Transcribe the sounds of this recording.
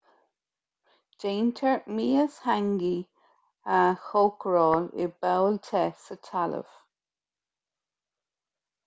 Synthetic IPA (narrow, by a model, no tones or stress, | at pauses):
d͡ʒ̥eːntʰəɹmiːəshaŋɡi | axoːkɹɔːlɪ̰bɛwltʰɛsətʰalə̰v̥